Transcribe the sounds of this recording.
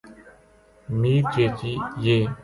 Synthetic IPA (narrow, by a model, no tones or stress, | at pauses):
miːɾt͡ʃeːt͡ʃiːjeː